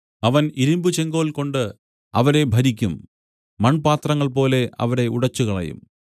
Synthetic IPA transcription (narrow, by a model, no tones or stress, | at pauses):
ɐʋɐniɾumbut͡ɕe̞ŋɡo̞ːlko̞ɳɖɨ | ɐʋɐɾe̞bʱɐɾikʲːumː | ɐɳpaːt̪rɐŋːɐɭp̬o̞ːle̞ʔɐ̰ʋɐɾe̞uɽɐt͡ɕːuɣɐɭɐ̰jṵm